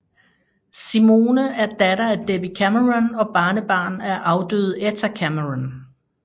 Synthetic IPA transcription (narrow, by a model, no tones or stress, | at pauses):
simo̝ːnəæɐd̥ædɐæd̥eb̥ikʰæməʁanɒ̽b̥ɑ̈ːnəb̥ɑ̰̈ːnæɐʔɑ̈ʊd̥ø̰ð̩ˠet͡sʰækʰæməʁan